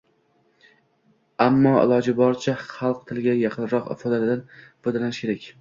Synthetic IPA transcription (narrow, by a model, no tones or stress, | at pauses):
amːɒɪ̰lˠɒd͡ʒɪbɒɾt͡ʃʰaχɑlˠq̚t̪ʰɪlɡʲajɑqʰɨnɾɒqfɒd̪alɪd̪anfod̪alanɪʃkʲʰe̞ɾakʲ